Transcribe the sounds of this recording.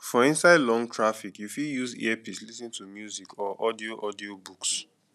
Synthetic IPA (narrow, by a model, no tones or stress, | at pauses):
fɔĩnsaɪdlɔ̃ŋtʰɹafikjufijuzḭɛpislisĩntʰumjuzikɔʔɔdioʔɔdiobuks